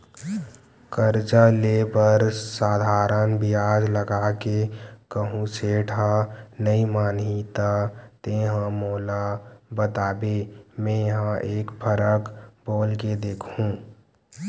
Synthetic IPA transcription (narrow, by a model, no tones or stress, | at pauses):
kəɾd͡ʒaleːbəɾsaːd̪ʱaːɾənbiaːd͡ʒləɡaːkekəɦũseːʈʰanəimaːnɦit̪at̪eːɦə̃moːlabət̪aːbemɛ̃jɐɦãʔeːkpʰəɾəkboːlked̪eːkʰũ